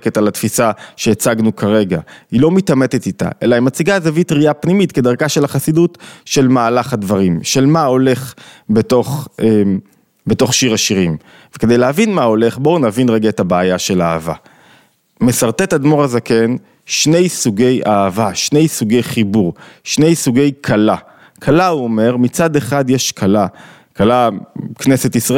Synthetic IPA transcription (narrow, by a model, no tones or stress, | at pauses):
ketalatfisaʃeːt͡saɡnukʰaʁe̞ɡailo̞mitame̞t̪etit̪a̰ʔe̞laimat͡siɡazavitʁiapnimitke̞d̪aʁɡaʃe̞laχasidutʃe̞lmaːlaχhadvaʁimʃe̞lmao̞le̞χbe̞to̞χem | beto̞χʃiʁaʃiʁim | veke̞d̪e̞jlehavinmao̞le̞χbo̞unavinʁeɡaetabaːjaʃe̞laːva̰ | me̞saʁt̪etad̪moʁazake̞n | ʃne̞jsuɡe̞jaːvaʃne̞jsuɡe̞jχibuʁʃne̞jsuɡe̞jkʰala | kʰalauo̞me̞ʁmit͡sad̪e̞χadjeʃkʰala | kalakneset̪isʁa